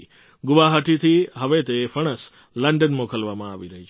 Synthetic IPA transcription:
ɡʊʋaɦəʈʰit̪ʰiɦəʋet̪efəɽ̃əs | ləɳɖənmokʰəlʋamãaʋiɾəɦit͡ʃʰ

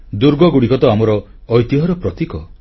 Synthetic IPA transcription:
d̪uɾɡɔɡuɽikɔt̪ɔamɔɾɔː | jt̪iɦɔɾɔpɾɔt̪ikɔ

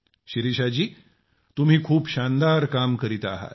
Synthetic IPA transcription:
ɕiɾiɕad͡ʑiː | t̪um̤iːkʰuːpɕand̪aɾkamkəɾit̪aɦa̰t̪

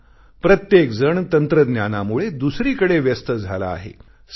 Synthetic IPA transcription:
pɾət̪jekd͡zəɳt̪ənt̪ɾəd̪njanamuɭed̪usɾiːkəɽeʋjəst̪əd͡zʱala̰ːɦḛ | s

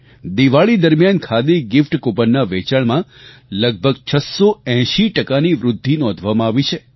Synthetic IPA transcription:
d̪iʋaɭid̪əɾmjankʰad̪eɡɪfʈkopənːaʋet͡ʃaɭmã | ləɡ̚bʱəɡt͡ʃʰəsoɛ̃ʃiʈəkaniʋɾʊd̪ʱːinɔ̃d̪ʱʋamãːʋit͡ʃʰe

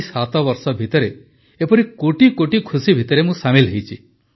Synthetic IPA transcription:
sat̪ɔbɔɾsɔbʱit̪ɔɾe | epɔɾikoʈikoʈikʰusibʱit̪ɔɾemũsamilɦejt͡ʃʰi

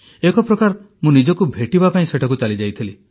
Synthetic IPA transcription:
ekɔpɾɔkaɾ | mũnid͡ʒɔkubʱeʈibapaĩseʈʰak̬ut͡ʃalid͡ʒajt̪ʰili

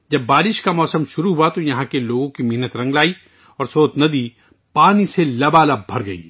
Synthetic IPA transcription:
d͡ʒɐbːaːɾɪʃkamɔːsəmʃʊɾuɦuat̪ojɐɦãkeloːɡõkimeɦnət̪ɾɐ̃ŋɡlaːi | ɔːɾsoːt̪nɐd̪i | paːniselɐbaːlabʱɐɾɡɐḭː

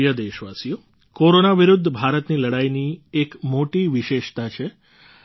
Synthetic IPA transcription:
jəd̪eʃʋasijo | koɾonaʋiɾud̪ʱːəbʱaɾət̪niləɽajniekmoʈiʋiʃeʃt̪at͡ʃʰe

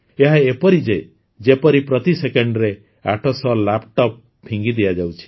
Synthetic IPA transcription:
eɦaepɔɾid͡ʒe | d͡ʒepɔɾipɾɔt̪isekɔɳɖɔɾe | aʈʰɔsɔlapʈɔp̚ | pʰːiŋɡid̪iad͡ʒawt͡ʃʰi̥

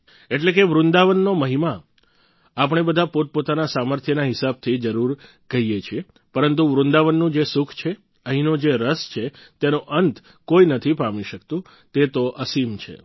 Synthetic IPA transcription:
eʈlekeʋɾʊ̃nd̪aʋənːoməɦima | apəɳ̃ebəd̪ʱapot̪̚pot̪anasaməɾt̪ʰjənaɦɪsab̚t̪ʰid͡ʒəɾuɾ | ɡəɦijet͡ʃʰie | pəɾənt̪̬uʋɾʊ̃nd̪aʋənːũd͡ʒesukʰt͡ʃʰe | əɦinod͡ʒeɾəst͡ʃʰet̪enũʔənt̪ | koinət̪ʰipamiʃək̚t̪ũ | t̪et̪oʔəsimt͡ʃʰḛ

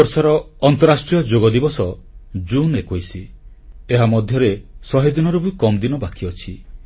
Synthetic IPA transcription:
ɔɾsɔɾɔːnt̪ɔɾasʈɾijɔd͡ʒoɡɔd̪ibɔsɔd͡ʒunekojsi | eɦamɔd̪ʱjɔɾesɔɦid̪inɔɾubuikɔmd̪inɔbakiɔt͡ʃʰi

